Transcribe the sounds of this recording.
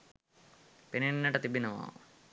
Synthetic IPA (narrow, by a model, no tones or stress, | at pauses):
pininnːɐʈɐt̪ibinɐʋa̰ːṵ